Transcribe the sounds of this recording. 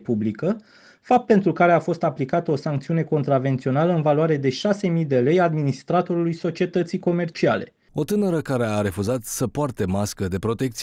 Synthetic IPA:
publikə | fap̚t̪̚pe̞nt̪ɾukaɾe̞afo̞st̪aplikat̪əo̞saŋk̚t̪siune̞ko̞nt̪ɾave̞nt̪sio̞naləɨnvalwaɾe̞d̪e̞ʃase̞mijd̪e̞le̞jad̪minist̪ɾat̪o̞ɾulujso̞t͡ʃie̞t̪ət̪sijko̞me̞rt͡ʃiale̞̰ | o̞t̪ɨnəɾəkaɾe̞aɾe̞fuzat̪səpoart̪e̞maskəd̪e̞pɾo̞t̪ek̚t̪si

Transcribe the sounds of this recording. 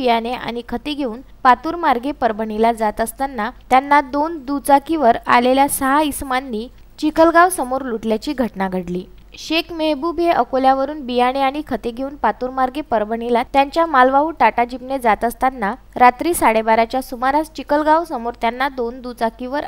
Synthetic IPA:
ijaɽ̃ea̰ɽ̃ikʰət̪eɡʱeuːnpat̪uːɾmaɾɡepəɾbəɳilad͡zat̪əst̪anːat̪janːad̪ond̪ut͡sakiʋəɾa̰leljasəɦaismanːiː | t͡ɕikəlɡaʋsəmoɾluʈljat͡ɕiːɡʱəʈnaɡʱəɽliː | ɕekmeɦbubeʔəkoljaʋəɾuːnbijaɽ̃eaɽ̃ikʰət̪eɡʱeuːnpat̪uɾmaɾɡepəɾbəɳilat̪jaɲt͡ɕjamalʋaɦuʈaʈad͡ʑipned͡zat̪əst̪anːa | ɾat̪ɾiːsaɽebaɾat͡ɕjasumaɾast͡ɕikəlɡaʋsəmoɾt̪janːad̪ond̪ut͡sakiʋəɾ

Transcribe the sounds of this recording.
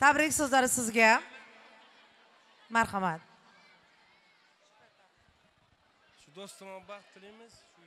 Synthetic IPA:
t̪ʰabɾɪkʲsozlaɾɪsɪzɡʲa | maɾχamat̪̚ | ʃʊd̪ost̪abt̪ʰːɾimɪz

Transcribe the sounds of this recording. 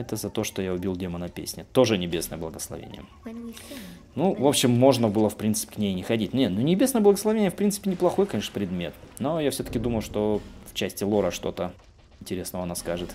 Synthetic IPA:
ɛt̪əzɐt̪o̞ʂt̪o̞jaʊbʲilˠdʲemənɐpʲḛsʲnʲɪt̪o̞ʐɨnʲɪbʲe̞snəjəblˠəɡəslˠɐ̰vʲḛnʲɪ̰jə̰ | nuvo̞pɕːɪmːo̞ʐnəbɨlˠəfpɾʲint̪sɨ̥pʲɪ̥knʲejnʲɪxɐdʲitʲnnʲenunʲɪbʲe̞snəjəblˠəɡəslˠɐvʲenʲɪjəfpɾʲint̪sɨ̥pʲɪnʲɪplˠɐxo̞jkɐnʲe̞ʂnə̥pɾʲɪd̪mʲe̞t̪̚no̞jafsʲɵt̪ə̥kʲɪd̪uməjʊʂt̪o̞ft͡ɕæsʲtʲɪlˠo̞ɾəʂt̪o̞t̪ə | ɪnʲtʲɪɾʲe̞snəvəɐnaskaʐɨt̪

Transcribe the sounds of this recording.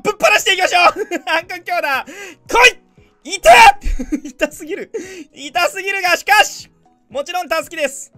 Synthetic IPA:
bɯpːaɾaɕi̥t̪eikʲimaɕo̞ːãŋkoŋkʲo̞ːd̪akʰoi | it̪ait̪asɨɡʲiɾɯ̟it̪asɨɡʲiɾɯ̟ɡaɕi̥kaɕi̥ | mo̞t͡ɕiɾõ̞nt̪asɨ̥kʲid̪e̞sɨ̥

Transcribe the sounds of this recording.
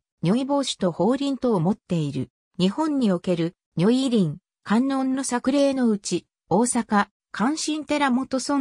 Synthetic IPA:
ɲʲo̞ibo̞ːɕi̥t̪o̞ho̞ːɾʲĩnt̪o̞ːmo̞t̪ːe̞iɾɯ̰ | ɲ̟ihõ̞ɲ̟ːio̞ke̞ɾɯ̟ | ɲʲo̞iɾʲĩŋ | kãnːo̞nːo̞sakɯ̟ɾe̞ːno̞ɯ̟t͡ɕi | o̞ːsaka | kʰãɰ̃ɕĩnt̪e̞ɾamo̞t̪o̞sõ

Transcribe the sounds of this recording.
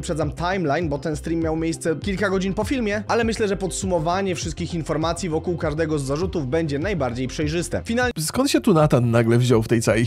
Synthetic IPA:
pʂɛd̪amt̪ʰajmlajnbɔt̪ɛnst̪ɾʲimʲːjawmʲjejst̪sɛkʲilkaɡɔd͡ʑinpɔfʲilmʲjɛʔalɛmɘɕlɛʐɛpɔt̪sumɔvaɲɛfʂɘst̪kʲixinfɔɾmat̪sʲjivɔkuwkaʐd̪ɛɡɔzːaʐut̪uvbɛɲd͡ʑɛnajbaɾd͡ʑejpʂɛjʐɘst̪ɛ̰fʲinalskɔnt̪ɕɛt̪unat̪anːaɡlɛvʑɔwft̪ɛjt̪sawej

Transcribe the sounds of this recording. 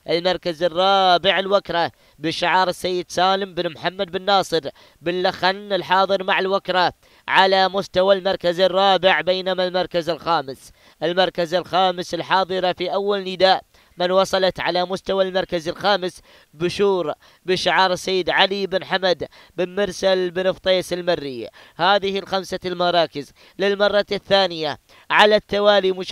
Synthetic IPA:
ʔɪlmɑɾˤkazɪrˤːɑːbɪʕɪlwakɾˤɑ | bɪʃːɪʕɑːɾˤɪsːajːɪd̪saːlɪmbɪnmħamːad̪̚bɪnːɑːsˤɨɾ | bɪlːaxanɪlħɑːðˤɨɾmaʕɪlwakɾˤɑ | ʕalamʊst̪awalmɑɾˤkazɪrˤːɑːbɪʕbeːnamalmɑɾˤkazɪlxaːmɪs | ʔɪlmɑɾˤkazɪlxaːmɪsɪlħɑːðˤɨɾɑfiʔawːalnɪd̪aːʔ | mɪnwɑsˤɑlɑt̪ʕalamʊst̪awalmɑɾˤkazɪlxaːmɪs | bɪʃuːɾ | bɪʃɪʕɑːɾˤsajːɪd̪ʕalibɪnħamad̪ | bɪnmɪɾsalbɪnɪft̪ˤeːsɪlmarːɪjːa̰haːðɪhɪlxamsalmɑɾˤɑːkɪz | lɪlmɑrˤːɑθːaːnɪja | ʕalat̪ːawaːlimʊʃ

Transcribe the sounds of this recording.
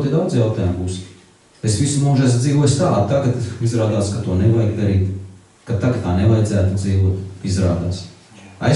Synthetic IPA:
t̪id̪awd̪zjawt̪ɑːjumbuːs | esʋisumuːʒasd̪ziːʋuɔjst̪aːt̪ːaɡat̪izɾaːd̪aːskat̪uɔnɛvajkd̪aɾiːt̪ | kat̪aɡt̪t̪aːnevajdzæːt̪ud̪ziːʋuɔt̪izɾaːd̪aːs | a̰j

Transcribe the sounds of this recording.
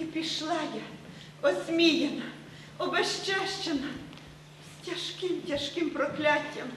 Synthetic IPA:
ipʲiʃlˠɑja | ɔsʲmʲijenɐ | ɔbɐʃt͡ʃaʃt͡ʃenɐ | stʲɐʃkɪmtʲɐʃkɪmpɾɔklʲatʲːɐm

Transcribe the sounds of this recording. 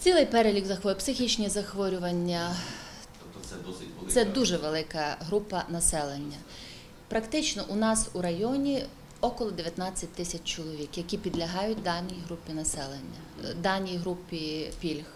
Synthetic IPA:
t͡sʲilˠɪjpɛɾelʲiɡzɐxʋɔpsɪxʲit͡ʃnʲizɐxʋɔɾʲʊʋɐnʲːɐ | sɛd̪uʒɛʋelˠɪkɐɦɾupɐnɐsɛlˠenʲːɐ | pɾɐkt̪ɪt͡ʃnɔʔʊnɑsuɾɐjɔnʲi | ɔkɔlˠɔd̪eʋjɐt̪nɑt͡sʲːɐt̚ʲt̪ɪsʲɐt͡ʃt͡ʃɔlˠɔʋʲikjɐkʲipʲid̪lʲɐɦɑjʊt̚ʲd̪ɑnʲijɦɾupʲːinɐsɛlˠenʲːɐ | d̪ɑnʲijɦɾupʲipʲilʲx

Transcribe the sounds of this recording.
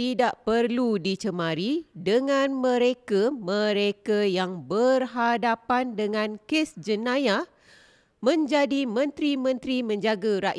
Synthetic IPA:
idaʔpərludit͡ʃəmãɾidəŋãnmə̃ɾekamə̃ɾekajaŋbərɦadapandəŋãnkesd͡ʒənãja | mə̃ɲd͡ʒadimə̃nt̪ɾimə̃nt̪ɾimə̃ɲd͡ʒaɡaɾaʔ

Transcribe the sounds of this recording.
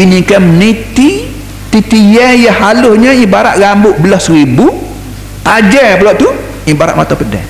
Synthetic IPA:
inikəmnit̪i | t̪it̪ijɛjəhalʊhɲə̃ibaɾaʔɣambʊʔbəlɔhsəɾibu | t̪ad͡ʒɛbəlɔʔt̪u | ibaɾa̰ʔmat̪apədɛ̰h

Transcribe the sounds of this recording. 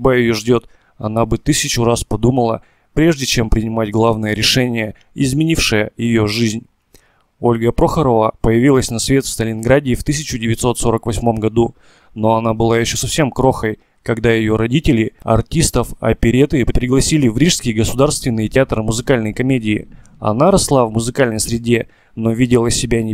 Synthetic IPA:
bajɪjo̞ʐdʲo̞t̪ | ɐ̰nabɨt̪ɨsʲɪt͡ɕʊraspɐd̪uməlˠə | pɾʲe̞ʐdʲɪt͡ɕe̞mpɾʲɪnʲɪmatʲɡlˠavnɨjəɾʲɪʂɛnʲɪjə | ɪzmʲɪnʲifʂɨjəjɪjo̞ʐɨzʲnʲ | o̞lʲɡəpɾo̞xəɾəvəpəjɪvʲilˠəsʲnɐsvʲe̞t̪fst̪əlʲɪnɡɾadʲɪːft̪ɨsʲɪt͡ɕʊdʲɪvʲɪt̪so̞t̪so̞ɾəkvɐsʲmo̞mɡɐd̪u | no̞ɐnabɨlˠajɪɕːosɐfsʲe̞mkɾo̞xəj | kɐɡd̪ajɪjo̞ɾɐdʲitʲɪlʲɪɐ̰rtʲist̪əfɐ̰pʲɪɾʲet̪ɨpɾʲɾʲɪɡlˠɐsʲilʲɪvɾʲiʂskʲɪjɡəsʊd̪arst̪vʲɪnːɨjtʲɪat̪rɨmʊzɨkalʲnəjkɐmʲedʲɪ̰ː | ɐ̰naɾɐslˠavmʊzɨkalʲnəjsɾʲɪdʲe̞ | no̞vʲidʲɪlˠəsʲɪbʲanʲɪ

